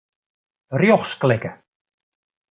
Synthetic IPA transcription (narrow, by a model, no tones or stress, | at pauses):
rjɔxsklɪkə